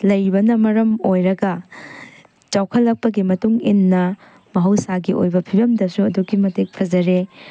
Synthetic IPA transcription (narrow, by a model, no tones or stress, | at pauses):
lɐjbɐnɐmɐɾɐmojɾɐɡɐ | t͡ʃawkʰɐlːɐk̚pɐɡimɐtuŋinːɐ | mɐɦɐwsaɡiʔo̰jbɐpʰibɐmdɐsuɐduɡimɐtek̚pʰɐd͡ʒɐɾe